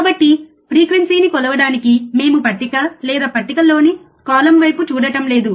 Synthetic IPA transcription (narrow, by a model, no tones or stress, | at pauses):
kaːbɐʈːi | pɾiːkʋensiːnikɔlɐʋɐɽaːnikime̞ːmupɐʈːikɐlɛːd̪aːpɐʈːikɐlo̞ːni | kaːlɐmʋɐjput͡ʃuːɽɐʈɐmle̞ːd̪u